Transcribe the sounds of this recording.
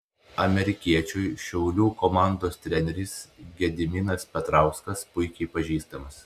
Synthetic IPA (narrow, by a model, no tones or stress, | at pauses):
ɐmʲɛɾʲɪkʲiɛt͡ʃʲʊjʃʲɛʊlʲuːkomɑˑnd̪oːst̪ʲɾʲɛnʲɛɾʲɪsɡʲɛd̪ʲɪmʲɪnɐspʲɛt̪ɾɑˑʊskɐspʊɪkʲɛɪpɐʒʲiːst̪ɐmɐs